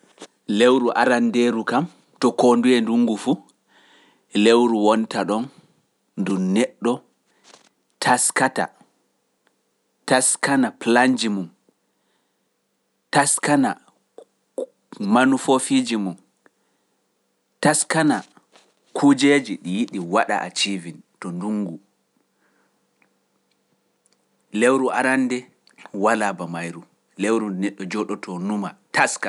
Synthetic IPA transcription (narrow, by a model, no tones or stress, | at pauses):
lewɾuʔaɾandeɾukam | tɔkondujɛnduŋɡufu | lewɾuwɔntaɗɔn | ndumnɛɗːɔ | tʰaskata̰ | taskanaplaɲd͡ʒimum | taskana̰ | manufofid͡ʒimum | taskana | kʰud͡ʒed͡ʒiɗijiɗiwaɗa̰ʔa̰t͡ʃivintɔnduŋɡu | lewɾua̰ɾandɛ | walabamajɾu | lewɾunɛɗːɔd͡ʒɔɗɔtʰɔnumataska